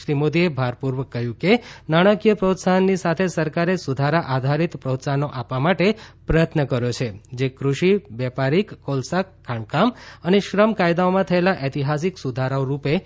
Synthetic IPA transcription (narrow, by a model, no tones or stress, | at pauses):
ʃɾimod̪iebʱaɾpuɾʋəkːəɦjũkenaɽ̃akijəpɾot̪sanːisat̪ʰesəɾkaɾesud̪ʱaɾaʔad̪ʱaɾit̪pɾot̪sanoʔapʋamaʈepɾəjət̪ʰnəkəɾjot͡ʃʰed͡ʒekɾuʃiʋɛpaɾikːolsakkʰːaɳkaməneʃɾəmkajd̪aomãt̪ʰəelaʔet̪iɦas̬iksud̪ʱaɾaoɾupe